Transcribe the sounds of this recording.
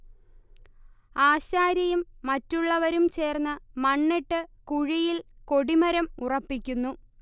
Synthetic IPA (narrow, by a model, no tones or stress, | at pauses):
aːɕaːɾjɐjumːɐtːuɭːɐʋɐɾumt͡ɕe̞ːrnːɨmɐɳːeʈːɨkuɻijilko̞ɽimɐɾɐmurɐpːikʲːunːu